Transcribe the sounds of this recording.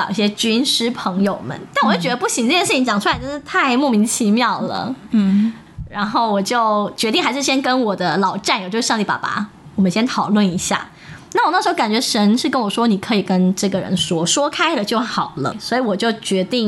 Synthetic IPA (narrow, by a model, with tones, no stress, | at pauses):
ɑ̰˨˩ʊi˥˩ɕjɛ˥t͡ɕy˥nʂɻ̩˥pʰɤ˧˥ŋjo˨˩ʊmə̰˦nt̪a˥˩nwjo˥˩t͡ɕɥɛ˧˥d̪pu˥˩ɕi˧˥ŋʈ͡ʂɤ˥˧t͡ɕjɛ˥˧ʂ̩˥˩t͡ɕi˧˥ŋt͡ɕjɑ˨˩ŋʈ͡ʂʰu˥la˧˥ʈ͡ʂə˥nʂɻ̩˥˩t̪ʰa˥˧ɪmɔ˥˩mi˧˥ŋt͡ɕʰi˧˥mjɑ˥˩ʊlə̰˩ | ɻa˧˥nxo˥˩ʊwɔ˨˩t͡ɕjo˥˩ʊt͡ɕɥɛ˧˥t̪i˥˩ŋxa˧˥ʂɻ̩˥˩ɕjɛ˥nkə˥nwɔ˨˩d̪ə˦lɑ˨˩ʊʈ͡ʂa˥˩njt͡ɕjo˥˧˥ʂt̪i˥˩pa̰˨˩pa̰˧˥wɔ˨˩mə˦nɕjɛ˥nt̪ʰɑ˨˩ʊlwə˥˩ni˧˥ɕja̰˥˩ | na˥˩wɔ˨˩n˥˩ʂɻ̩˧˥˧ka˨˩nt͡ɕɥɛ˧˥ʂə˧˥nʂɻ̩˥˩kə˥nwɔ˨˩ʂwɔ˥ni˨˩kʰɤ˧˥i˨˩kə˦˥nʈ͡ʂɤ˥˩ɡə˩ɻə̰˧˦nʂwɔ˥ʂwɔ˥kʰa˥ɪlə˨t͡ɕjo˥˩ʊxɑ˨˩ʊlə̰˦swɔ˧˥i˧˥wɔ˨˩t͡ɕjo˥˩ʊt͡ɕɥɛ˧˥t̪i˥˩ŋ